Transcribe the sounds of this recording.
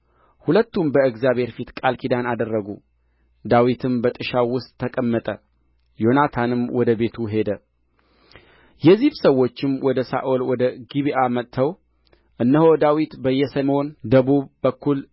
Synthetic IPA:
hulət̪ːumbəɨɡzjaβhe̞ɾfit̪kʼalkʰid̪anad̪ərːəɡu | d̪awit̪ʰɨmbət̪ʼɨʃawʊst̪ʼʰːəkʼəmːət̪ʼə | jo̞nat̪ʰanɨmwɔd̪əbe̞t̪ʰuɦe̞d̪ə | jɛzːiβsəwːo̞t͡ʃːɪmwɔd̪əsa̰ʔolwɔd̪əɡiβiʔamət̪ʰːəw | ʔɨnːəho̞d̪awit̪bəjːɛsəmo̞nd̪əβuβbəkːul

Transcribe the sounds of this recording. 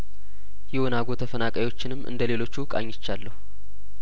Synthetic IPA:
jɛwonaɡo̞t̪ʰəfənakʼajwo̞t͡ʃːɪnɨmːʔɨ̰nd̪əle̞lo̞t͡ʃːukʼa̰ɲːɪt͡ʃːalːəhu

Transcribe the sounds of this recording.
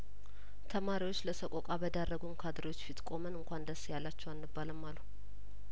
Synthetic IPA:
t̪ʰəmaɾiwot͡ʃːləsəkʷʼo̞kʼabəd̪arːəɡunkʰad̪ɾewo̞t͡ʃːfit̪kʼo̞mənɨŋkʷand̪əsjalːat͡ʃːɛwanmɨbːaləmːalːu

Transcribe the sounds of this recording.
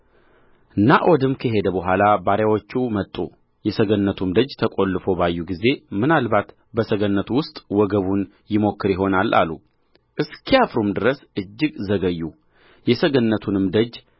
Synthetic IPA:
ɨnːaʔɔd̪ɨmkʰəɦe̞d̪əbəɦʷalabaɾjawot͡ʃːumət̪ʼːu | jɛsəɡənːət̪ʰumd̪əd͡ʒt̪ʰəkʼo̞lːɨfo̞bajːuɡize̞mɨnalbat̪ | bəsəɡənːət̪ʰuwʊst̪ʼwɔɡəβun | jɪmo̞kːɨɾjɪɦo̞nalːa̰lu | ʔɨskʰijafɾumd̪ɨɾəsɨd͡ʒːɪɡzəɡəjːu | jɛsəɡənːət̪ʰunɨmd̪əd͡ʒ

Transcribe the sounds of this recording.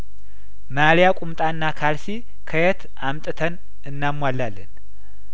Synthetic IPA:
maɾijakʼumt̪ʼanːakʰalsi | kʰəjɛt̪ | amt̪ʼɨt̪ʰən | ɨnːamːwalːalːə̰n

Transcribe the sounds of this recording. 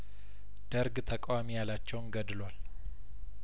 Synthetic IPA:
d̪̥əɾɡt̪ʰəkʼwamijalat͡ʃːɛwnɡəd̪lwal

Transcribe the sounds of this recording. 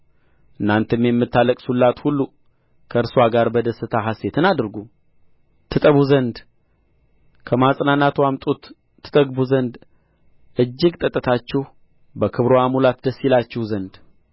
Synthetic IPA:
ʔɨnːant̪ʰɨmjɛmːɨt̪ːaləkʼsulːat̪hulːu | kʰəɨɾswaɡaɾbəd̪əsːɨt̪ʰaɦase̞t̪ʰɨnad̪ɾɡu | t̪ʰːɨt̪ʼəβuzənd̪ | kʰəmasʼnanat̪wamt̪ʼut̪ | t̪ʰːɨ̥t̪ʼəɡbuzənd̪ | ʔɨd͡ʒːɪɡt̪ʼət̪ʼːət̪ʰat͡ʃːɪh | bəkʰɨβɾoamulat̪d̪əsːilat͡ʃːɪhzənd̪

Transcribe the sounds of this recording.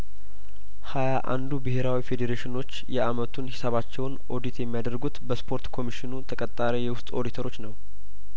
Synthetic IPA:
hajaʔa̰nd̪ubɨɦe̞ɾawife̞d̪eɾeʃɪno̞t͡ʃːjɛʔamət̪ʰunhɪsəβat͡ʃːɛwnʔo̞d̪it̪jɛmːijad̪əɾɡut̪bəspʰo̞ɾt̪kʰo̞miʃɪnut̪ʰəkʼət̪ʼːaɾejɛwʊst̪ʼo̞d̪it̪ʰəɾo̞t͡ʃːnəw

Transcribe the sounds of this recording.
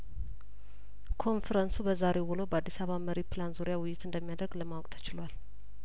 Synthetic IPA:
kʰo̞nfəɾənsubəzaɾewulowbəad̪ːisaβaməɾipɨlanzuɾijawɪjːɪt̪ɨnd̪əmːijad̪əɾɡləmawkʼt̪ʰə̥t͡ʃɪlwal

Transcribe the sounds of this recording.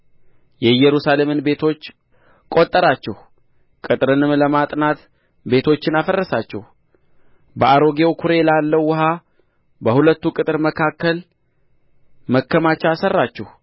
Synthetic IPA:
jɛjɛɾusale̞mɨnbe̞t̪ʰo̞t͡ʃː | kʼo̞t̪ʼːəɾat͡ʃːɛh | kʼɨt̪ʼɾɨnɨmləmat̪ʼnat̪ | be̞t̪ʰo̞t͡ʃːɪnafərːəsat͡ʃːɛ̰h | bəʔaɾo̞ɡewkʰuɾe̞lalːəwːʊɦa | bəhulət̪ːukʼɨt̪ʼɨɾməkʰakːəl | məkːəmat͡ʃːaasərːat͡ʃːɛh

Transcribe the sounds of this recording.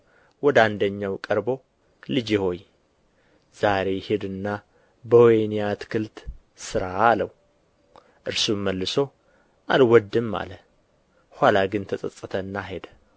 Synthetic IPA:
wɔd̪and̪əɲːawkʼəɾbo̞ | lɨd͡ʒiho̞j | z̥aɾe̞jhed̪ɨnːa | bəwɔjnijat̪kʰɨlt̪ | sɨɾaːləw | ʔɨɾsumːəlːɨso̞ | ʔalwɔd̪ːɨmːa̰lə | hʷalaɡɨnt̪ʰəsʼəsʼːɨt̪ʰəɨnːaɦed̪ə

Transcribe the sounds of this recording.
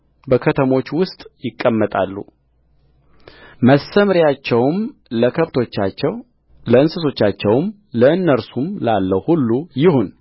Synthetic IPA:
bəkʰət̪ʰəmo̞t͡ʃːwʊst̪ʼjɪkʼːəmːət̪ʼalːṵ | məsəmɾjat͡ʃːɛwmləkʰəβt̪ʰo̞t͡ʃːat͡ʃːɛw | ləɨnsɨso̞t͡ʃːat͡ʃːɛwm | ləɨnːəɾsumlalːəwhulːujɪhun

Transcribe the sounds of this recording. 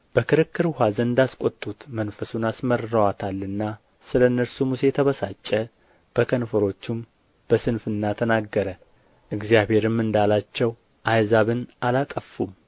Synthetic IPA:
b̥əkɨɾɨkːɨɾhazəɨnd̪askʼo̞t̪ʼːut̪mənfəsunasməɾɨɾəwat̪ʰalːɨnːa | sɨlənːəɾsumuse̞t̪ʰəβəsat͡ʃʼːə | b̥əkʰənfəɾo̞t͡ʃːɪm | b̥əsɨnfɨnːat̪ʰənaɡːəɾə | ʔɨɡzijaβhe̞ɾɨmːɨnd̪alat͡ʃːɛw | ʔajzaβɨnʔalat̪ʼəfːum

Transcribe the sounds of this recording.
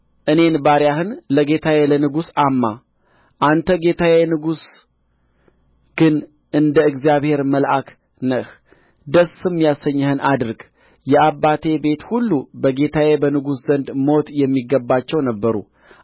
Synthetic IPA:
ʔɨne̞nbaɾjahɨnləɡe̞t̪ʰawelənɨɡusamːa | ʔant̪ʰəɡe̞t̪ʰawenɨɡus | ɡ̥ɨn | ʔɨnd̪əɨɡzijaβhe̞ɾməlʔak | nəʔh | d̪əsɨmjasəɲːəhɨnʔad̪ɨɾɡ | jɛabːat̪ʰe̞be̞t̪hulːubəɡe̞t̪ʰawebənɨɡuszənd̪mo̞t̪jɛmːiɡːəbːat͡ʃːɛwnəbːəɾṵ

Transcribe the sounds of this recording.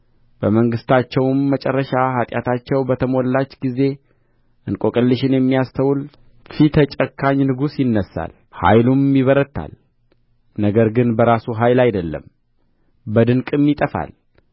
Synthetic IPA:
b̥əməŋɡɨst̪ʰat͡ʃːɛwmːət͡ʃʼɛrːəʃahat̪ʼjat̪ʰat͡ʃːɛwbət̪ʰəmo̞lːat͡ʃːɡize̞ | ʔɨnkʼokʼəlːɨʃɪnjɛmːijast̪ʰəwul | fit̪ʰət͡ʃʼəkʰːaɲːnɨɡusjɪnːəsːa̰l | ha̰jlumiβəɾət̪ʰːa̰l | nəɡəɾɡɨnbəɾasuɦajlajd̪əlːə̰m | bəd̪ɨnkʼɨmːit̪ʼəfa̰l

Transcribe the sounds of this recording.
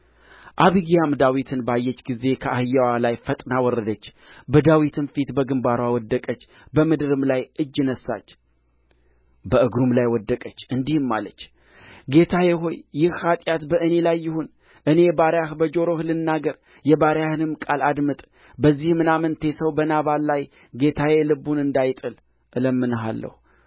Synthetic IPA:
ʔaβiɡjamd̪awit̪ʰɨnbajːɛt͡ʃːɡize̞kʰəʔahɨjːawalajfət̪ʼnawɔɾːəd̪ət͡ʃː | bəd̪awit̪ʰɨnfit̪bəɡɨmbaɾwawɔd̪ːəkʼət͡ʃː | bəmɨd̪ɨɾɨmlajʔɨd͡ʒːɪnəsːa̰t͡ʃː | bəʔɨɡɾumlajwɔd̪ːəkʼət͡ʃːɨnd̪ihɨmːa̰lət͡ʃː | ɡe̞t̪ʰajɛɦo̞jːɪhhat̪ʼjat̪bəʔɨne̞lajːɪhun | ʔɨne̞baɾjahbəd͡ʒo̞ɾo̞hlɨnːaɡəɾ | jɛbaɾjahɨnɨmkʼalad̪mɨt̪ʼ | bəzːihmɨnamənt̪ʰe̞səwbənaβallaj | ɡe̞t̪ʰajelɨbunɨnd̪ajt̪ʼɨl | ʔɨləmːɨnɦa̰lːə̰hu

